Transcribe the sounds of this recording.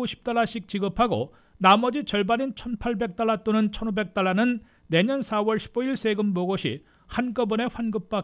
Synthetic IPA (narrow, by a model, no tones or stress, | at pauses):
oɕʰi̥p̚t͈aɭːaɕʰik̚t͡ɕiɡɯpʰaɡo̰ | namʌd͡ʑit͡ɕʌɭbaɲint͡ɕʰʌnpʰaɭbe̞k̚t͈aɭːat͈onɯnt͡ɕʰʌnobe̞k̚t͈aɭːanɯnː | e̞ɲʌnsʰawʌɭɕʰi̥boiɭsʰeɡɯmːoɡoɕʰḭ | hank͈ʌbune̞ɸwanɡɯp̚p͈a